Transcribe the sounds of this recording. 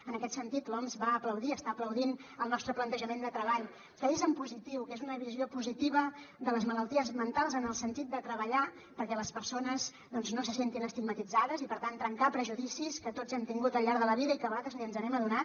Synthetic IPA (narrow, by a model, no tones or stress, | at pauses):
ənəkɛt̪sənt̪it̪lɔnzβaəpləwðiəst̪aːpləwðinəlˠnɔst̪ɾəplənt̪əʒəmend̪ət̪ɾəβaʎ | kəezəmpuzit̪iwkezunəβ̞iziopuzit̪iβ̞əd̪ələzmələlˠt̪iəzmənt̪alˠzənəlˠsənt̪it̪̚d̪ət̪ɾəβəʎa | pəɾkɛləspəɾsonəz | d̪ɔnznosəsent̪inəst̪iɡ̚mət̪id͡zaðəzipəɾt̪ant̪ɾəŋkapɾəʒuðisiskət̪ot͡sd͡zɛmt̪iŋɡut̪əlˠʎaɾðələβiðəikəβəɣat̪ɾəziənzəβɛməðunat̪